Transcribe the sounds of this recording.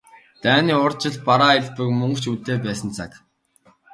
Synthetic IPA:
t̪æːniːʊrt͡ɕɪ̆ɮpaɾaːɪɮpɘ̆kmɵŋkt͡ɕʰut̪eːpæːsə̆nt͡sʰak

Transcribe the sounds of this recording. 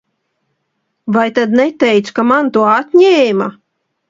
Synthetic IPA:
vajt̪ad̪nɛt̪ɛjt̪skamant̪uɔat̪ɲeːma

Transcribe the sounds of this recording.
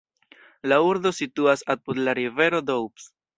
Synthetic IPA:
lauɾdo̞situasapud̪laɾive̞ɾo̞dowps

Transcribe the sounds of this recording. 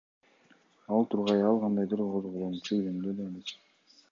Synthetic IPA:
ɑlˠt̪ʰuɾʁɑjɑlˠqʰɑnd̪ɑjd̪ɯɾqʰozʁolˠonut͡ʃulemd̪ød̪enit̪

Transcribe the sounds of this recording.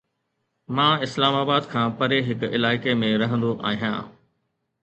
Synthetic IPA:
mãːɪslaːmaːbaːd̪kʰãːpɐɾeɦɪkɪlaːɪkemẽɾɐɦə̃nd̪oʔa̰ːɦijã̰ː

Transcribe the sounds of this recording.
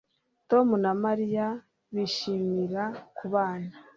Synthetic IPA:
to̞munamaɾija | βiʃiːmiɾakuβaːna

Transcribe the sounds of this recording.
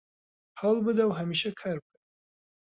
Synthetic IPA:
hawlˠbɨd̪ɐwɦɐmiːʃɐkʰaːɾb̚ʰɨd̪

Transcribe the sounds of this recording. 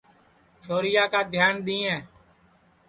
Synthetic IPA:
t͡ʃʰoːɾɪjaːkaːd̪ʱjaːnɗ̪ĩːɛ̃ː

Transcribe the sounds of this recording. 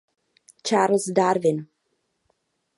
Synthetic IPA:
t͡ʃaːɾlsdaːɾvɪn

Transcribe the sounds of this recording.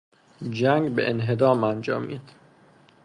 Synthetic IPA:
d͡ʒæŋɡbeʔenɦe̞d̪ɒːmænd͡ʒɒ̰ːmiːd̪̥

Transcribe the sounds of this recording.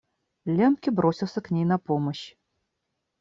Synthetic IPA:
lʲɛmkʲibɾosʲiwˠsʲəknʲejnɐpoməɕ

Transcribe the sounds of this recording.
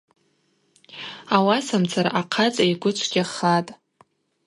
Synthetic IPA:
awasamt͡sʰaɾaqʰat͡sʼajɡʷʊt͡ʃʷʰɡʲaχatʼ

